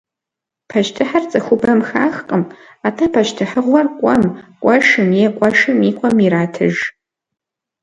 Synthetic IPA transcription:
pʰɐʃtʰɨħart͡sʼɐxʷʊbɐmxaːxqʼəm | aːtʰapʰɐʃtʰɨħəʁʷɐrkʷʼɔmkʷʼɔʃɨmjɛkʷʼɔʃɨmiːkʷʼɔmiɾaːtʰɨʒ

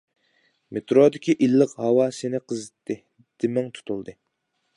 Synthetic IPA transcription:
met̪ʰɾod̪ɪkʲiʔilːəqhɑwɑsenɪqʰəzɨt̪ːɪ | d̪̥ɪmɪŋt̪ʰu̥t̪ʰulˠd̪ɨ

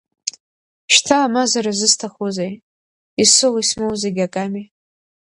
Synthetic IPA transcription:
ʃtʰaːmazaɾazɨstʰaχozej | isɨlismowzeɡʲakʼami

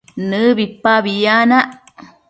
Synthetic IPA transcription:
nɨβipːaβijanaʔ

